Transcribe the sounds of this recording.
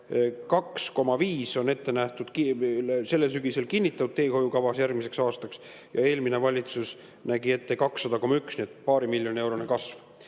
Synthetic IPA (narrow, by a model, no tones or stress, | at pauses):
kɑksko̞mɑviːso̞ne̞t̪ːe̞næht̪ud̪̥kise̞lːes̬yɡ̥ise̞lkinʲːit̪ːˑɑt̪ud̪t̪t̪ːe̞ːho̞jukɑvɑsjærɡmise̞ksɑːst̪ɑks | jɑe̞ːlmine̞vɑlʲit̪sus | næɡie̞t̪ːe̞kɑksːɑd̪̥ɑko̞mːɑyksniet̪̚pɑːɾimiljo̞nie̞wɾonekɑsv